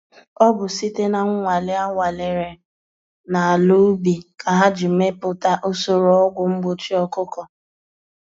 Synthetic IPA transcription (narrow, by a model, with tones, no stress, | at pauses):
ɔ˦bʊ˨si˦te˦na˨ŋ̩ʷ˦ŋʷa˨lɪ˦a˦ŋʷa˨lɪ˨ɾe˨ | na˨a˨lu˦bi˨kʰa˨ɦa˦d͡ʒɪ˨m̩˨me˦pʊ˨ta˦ʔo˦so˨ɾo˨ɔ˦ɡʷʊ˨ŋ͡m̩˦ɡ͡bo˨t͡ʃi˦ɔ˦kʊ˦kɔ˨